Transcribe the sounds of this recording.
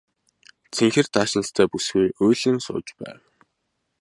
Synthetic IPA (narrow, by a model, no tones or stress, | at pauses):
t͡sʰeŋxɘ̆rt̪ʰaːʃɪ̆nə̆st̪ʰæːpusɡujʔʊjɮɘ̆nsʊ̰ːt͡ɕpæ̰ːw